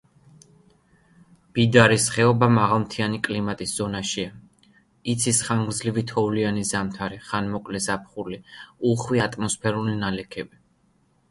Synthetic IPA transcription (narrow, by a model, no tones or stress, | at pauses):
b̥id̪aɾisχɛɔbamaʁalˠmt̪ʰianikʼlimat̪ʼisz̥ɔnaʃia | it̪sʰisχaŋɡɾd̪zlivit̪ʰɔvulianizamt̪ʰaɾiχanmɔkʼlɛzap̚ʰχuliuχwiat̪ʼmɔspʰɛɾulinalɛkʰɛbi